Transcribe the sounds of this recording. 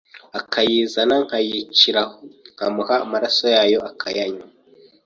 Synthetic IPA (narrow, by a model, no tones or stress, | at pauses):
akʰajiːzanaŋ̥hajiciɾahoŋ̥hamuhaːmaɾaso̞jaːjo̞akʰajaɲa